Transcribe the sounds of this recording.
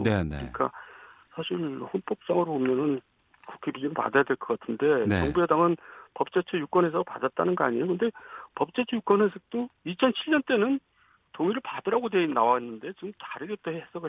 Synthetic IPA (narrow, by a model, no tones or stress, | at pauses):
nenḛɯɲik͈a̰sʰaɕʰiɾɸonp͈ok̚s͈aŋɯɾobomjʌnɯn | ku̥kʰebid͡ʑemɯɭpa̰dajadweɭkɯɡatʰɯnde̞nʌŋbuedaŋɯnpʌp̚t͡ɕ͈et͡ɕʰejuk͈ʌne̞s̬ʰʌpa̰dat̚t͈anɯnɡʌa̰ɲijokɯnde̞pʌp̚t͡ɕ͈et͡ɕʰejuk͈wʌnesʰɯk̚t͈oit͡ɕʰʌnt͡ɕʰiɭːʌnt͈e̞nɯn | toŋiɾɯɭpadɯɾaɡodenːawaɦenːɯnde̞t͡ɕiɡɯmtaɾidet͈oheesʰʌɡɯ